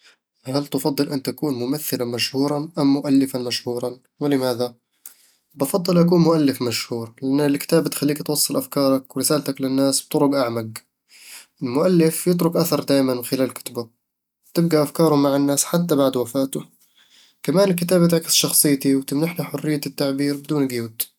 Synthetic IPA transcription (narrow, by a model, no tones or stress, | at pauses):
ɦalt̪ɑfɑd̪ˤːɨlʔɪnt̪akuːnmʊmaθːɪlamaʃhuːɾˤɑʔamːʊʔalːɪfanmaʃhuːɾˤɑn | wɪlɪmaːða | bɑfɑd̪ˤːɨlʔakuːnmʊʔalːɪfmaʃhuːɾlɪʔanːɪlkɪ̥t̪aːbt̪xalːiːkt̪wɑsˤːɑlʔafkɑːɾˤɑkwɪɾɪsaːlt̪aklɪnːaːsb̚t̪ˤʊɾʊɡʔaʕmaɡ | ʔɪlmʊʔalːɪfjɪt̪̬ɾʊkʔaθɑɾˤd̪aːjmanxɪlaːlkʊ̥t̪bḁ | t̪ɪb̚ɡaʔafkɑːɾˤʊmaʕɪnːaːsħat̪ːabaʕd̪wafaːt̪ʊ | kamaːnɪlkɪt̪aːbt̪ʕkɪ̥sʃɑxsˤɨjːt̪iwt̪ɪmnaħnaħʊrːɪjːat̪ːaʕbiːɾbɪd̪uːnɡjuːt̪